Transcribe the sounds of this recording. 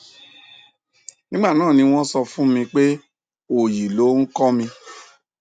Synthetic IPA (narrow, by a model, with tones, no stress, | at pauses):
nĩ˦ɡ͡ba˦˨nãː˦˨nĩ˧w̃ɔ̃˦sɔ˧fũ˦mĩ˧k͡pe˦ | o˦˨ji˨lo˨˦n̩˦kɔ˦mĩ˧